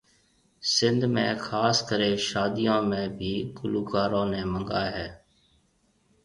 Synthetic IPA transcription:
sɪnd̪mḛ̃ːkʰaːskəɾẽːʃaːd̪ijõːmẽːbʱiːkʊluːkaːɾõːneːməŋɡaːɦɛː

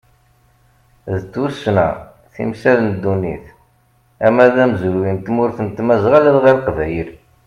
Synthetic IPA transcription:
ðət͡s̪ːusnæ̰ | θḭmsælənd̪ːunḭθ | æmæðæmzɾwint̪mʊɾθənt̪ːmæzʁælæðʁælqvæjəl

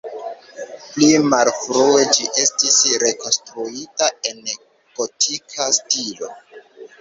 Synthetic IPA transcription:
plimalfɾue̞d͡ʒiʔe̞stisɾe̞ko̞nstɾuitae̞n | ɡ̥o̞tʰikʰastilo̞̰

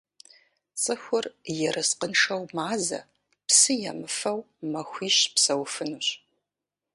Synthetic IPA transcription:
t͡sʼɨxʷʊrjɛɾɨsqənʂɐwmaːzɐ̰ | psɨjɛ̰mɨfɐw | mɐxʷiːʃpsɐwfɨnuɕ

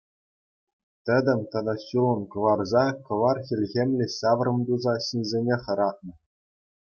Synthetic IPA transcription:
t̪ʲɘ̆d̪ʲɘ̆mʲt̪ɑd̪ɑɕulˠɤ̆nkɤ̆ʋɑrzɑkɤ̆ʋɑrxʲilʲɣʲemʲlʲĕsɑʋrɤ̆md̪uzɑɕinʲzʲenʲeχɤ̆ɾɑt̪̚nɤ̆

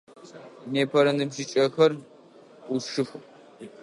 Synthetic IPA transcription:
neːpʰɐɾɐndɨmʃit͡ʃʼɐxɐrʷʼ | ʊʂɨx

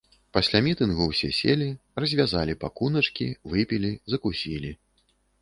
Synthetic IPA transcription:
pasʲlʲamʲit̪ɨnɣuwsʲɛsʲelʲirɐzʲvʲazalʲipakunɐt͡ʂkʲivɨpʲilʲizɐkusʲilʲi

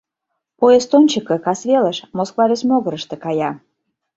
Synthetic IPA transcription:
poest̪onʲt͡ɕəkɤ̆kɑsvʲeləʃmoskvɑɾʲesmʲoɣəɾəʃt̪ĕkɑjɑ

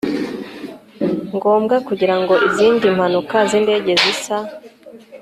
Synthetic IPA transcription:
ŋɡo̞ːmɡakuɟiɾaŋɡo̞ʔiziːndim̥hanukazinde̞ːɟe̞zisa

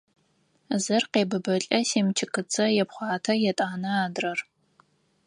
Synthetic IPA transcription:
zɨrqeːbɨbɐɬʼɐseːmt͡ʃʰɪkɨt͡sʰɐjɛpχʷɑːtʰɐjɛtʼaːnɐaːdrɐr

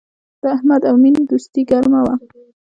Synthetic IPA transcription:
d̪̥əahmad̪awmind̪ust̪iɡaɾmawa

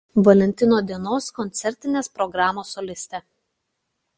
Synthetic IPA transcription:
ʋɐlʲɛnʲt̪ʲɪnoːd̪ʲiɛnoːskɔnʲt̪sʲɛɾʲt̪ʲɪnʲeːspɾɔɡɾɑːmoːsɔlʲɪsʲt̪ʲɛ

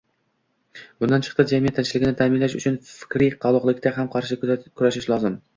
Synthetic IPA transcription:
bʊnd̪ant͡ʃʰɨ̥qt̪ɨd͡ʒamijat̪ʰːant͡ʃʰɪlɪɡʲɪnɪt̪ʰamɪnlaʃʊt͡ʃʰʊnfɪ̥kʲɾijqʰɑlˠʊqlˠɪkʲt̪aɦamqʰɑɾʃɪkʰʊɾaʃɪʃlˠɒzɪm

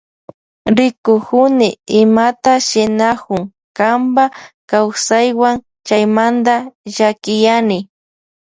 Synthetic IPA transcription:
ɾɪkʊkʊnɪɪmat̪aʃɪnakʊŋ | kambakawsajwaŋ | t͡ʃajmand̪aʒakɪjanɪ

